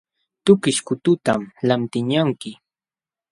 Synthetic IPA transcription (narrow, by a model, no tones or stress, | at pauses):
t̪ʊkɪʃkʊt̪ʊt̪amlant̪ɪɲaŋkɪ